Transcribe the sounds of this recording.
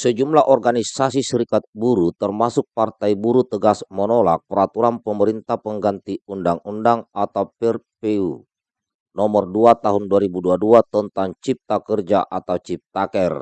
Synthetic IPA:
səd͡ʒumlaʔɔrɡanisasisəɾikat̪̚buɾut̪ərmasʊk̚part̪ajbuɾut̪əɡasmənɔla̰k̚pəɾat̪uɾanpəməɾint̪ahpəŋɡant̪iundaŋundaŋat̪awpɛrpɛu | nɔmərduat̪aɦunduaɾibuduaduat̪ɔnt̪ant͡ʃip̚t̪akərd͡ʒaʔat̪awt͡ʃip̚t̪akɛr

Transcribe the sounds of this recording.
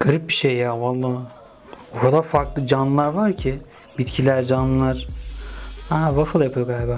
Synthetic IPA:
ɡ̥aɾip̚biʃejːaːvalˠːaː | okʰad̪aɾfaɾklˠɯd͡ʒanːɯlˠaɾvaɾcʰi | bit̪cʰilʲæɾd͡ʒanːɯlˠaɾ̥ | hæːvafɯlˠjapʰɯjoɡalʲbaː

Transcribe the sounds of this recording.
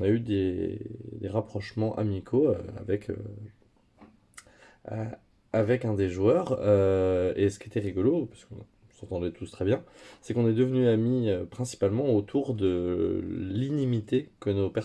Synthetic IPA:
nayd̪e | d̪eʁapχɔʃmɑ̃ʔa̰mikʰoøa̰vɛkʰø̰ | avɛkɛ̃d̪eʒwœʁøesə̥kiet̪ɛʁiɡɔlopɥḁskɔ̃ | sɑ̃t̪ɑ̃d̪ɛt̪ust̪χɛbjɛ̃sɛkɔ̃nɛd̪əvnyamiøpχɛ̃si̥palmɑ̃ot̪ʰuʁd̪ə | linimit̪ekənopɛ

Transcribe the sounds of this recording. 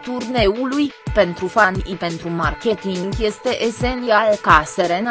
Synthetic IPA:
t̪urne̞ulujpe̞nt̪ɾufanipe̞nt̪ɾumarkʲe̞t̪iŋɡje̞st̪e̞ʔesent̪ialkaseɾen

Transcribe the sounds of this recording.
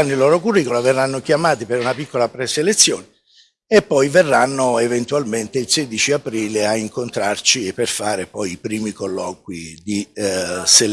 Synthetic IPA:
anːilːɔːɾokurːiːkolaverːanːokjamaːt̪ipeɾunapikːolapɾeselet̪sːjɔːne | epːɔjverːanːoevent̪ualment̪eilseːd̪it͡ʃiapɾiːleaiŋkont̪ɾart͡ʃiepːerfaːɾepɔjipɾiːmikolːɔːk̚wid̪i | sel

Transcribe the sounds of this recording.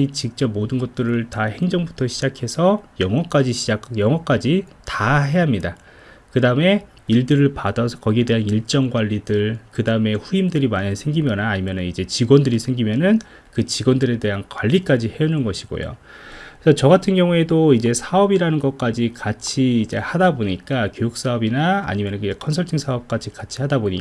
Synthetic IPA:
it͡ɕik̚t͡ɕ͈ʌp̚modɯnɡʌt̚t͈ɯɾɯɭtahe̞ŋd͡ʑʌŋbutʰʌɕʰid͡ʑakʰe̞sʰʌjʌŋwʌk͈ad͡ʑiɕʰid͡ʑakjʌŋwʌk͈ad͡ʑi | taɦe̞amɲida | kɯdaɯme̞ | iɭdɯɾɯɭpadʌsʰʌkʌɡiede̞ɦaniɭt͡ɕ͈ʌŋɡwaʎːidɯɭkɯdaɯme̞ɸuimdɯɾimaɲansʰe̞ŋɡimjʌnaːɲimjʌnɯnid͡ʑe̞t͡ɕiɡwʌndɯɾisʰeŋɡimjʌnɯn | kɯt͡ɕiɡwʌndɯɾe̞de̞ɦankwaʎːik͈ad͡ʑihe̞unɯnɡʌɕʰiɡ̥o̰jo̰ | sʰʌt͡ɕʌɡatʰɯnɡjʌŋue̞doid͡ʑe̞sʰaʌbiɾanɯnɡʌk͈ad͡ʑikat͡ɕʰiːd͡ʑe̞̰hadaboɲik͈akjojuk̚s͈aʌbina̰ːɲimjʌnɯnkɯd͡ʑekʰʌnsʰʌɭtʰiŋsʰaʌp̚k͈ad͡ʑʰikat͡ɕʰihadaboɲik

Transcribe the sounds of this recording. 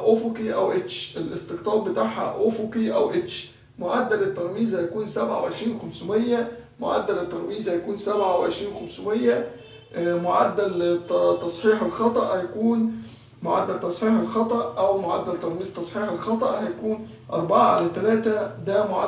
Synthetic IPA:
ʔofokiʔæwʔet͡ʃʔelʔɪst̪eqt̪ˤɑːɾ̚ˤbɪt̪aʕħhæ̰ʔofukiʔæwʔet͡ʃ | moʕad̪ːælɪt̪ːɑɾˤmiːzhæjækuːnsæbʕa̰wʕeʃɾiːnwxæmsmeɪjːæmʊ̰ʕa̰d̪ːælɪt̪ːɑɾˤmiːzhæjækuːnsæbʕaweʕɪ̰ʃɾiːnwxæmsmejːæ | moʕad̪ːælt̪ɑsˤħiːħelxɑt̪ˤɑʔhæjækuːn | moʕa̰d̪ːælt̪ɑsˤħiːħelxɑt̪ˤɑʔʔæwmʊʕa̰d̪ːælt̪ɑɾˤmiːzt̪ɑsˤħiːħelxɑt̪ˤɑʔhæjækuːn | ʔɑ̰ɾˤbɑʕaʕa̰læt̪ælæːt̪æd̪æːmʊʕa̰

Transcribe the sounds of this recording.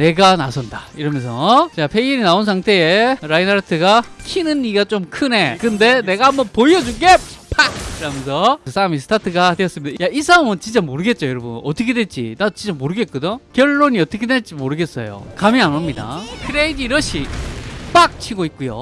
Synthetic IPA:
ne̞ɡanasʰʌndaiɾʌmjʌnsʰʌt͡ɕapʰeiɾinaonsʰaŋtʰe̞eɾainaɾtʰɯɡakʰinɯnːiɡat͡ɕomkʰɯne̞kɯnde̞ne̞ɡaɦambʌnpoiʌd͡ʑuɡepak̚kɯɾamjʌnsʰʌɯsʰaɾamis̬ʰɯ̥tʰatʰɯɡadweʌs͈ɯmid̥ajais͈ʰamɯnt͡ɕint͡ɕ͈amoɾɯɡe̞t̚t͡ɕ͈ojʌɾʌbunʌt͈ʰʌkʰe̞dwe̞ɭt͡ɕ͈ḭnat͡ɕint͡ɕ͈amoɾɯɡe̞t̚k͈udokjʌɭːoɲiʌt͈ʌkʰedwe̞ɭt͡ɕ͈imoɾɯɡe̞s͈ʌ̰jo̰kameanʌmɲida̰kʰɯɾeidiɾʌɕʰip͈ak̚t͡ɕʰiɡoit̚k͈ujo̰

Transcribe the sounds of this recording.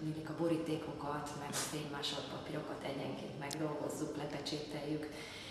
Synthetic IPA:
nilikɒboɾit̪eːkʰo̞kɒt̪mɛɡfeːɲmaːʃot̪pɒpiɾo̞kɒt̪ʰɛɟɛŋkḛːnt̪mɛɡd̪o̞lɡo̞zːuklɛpɛt͡ʃeːt̪ɛjyk

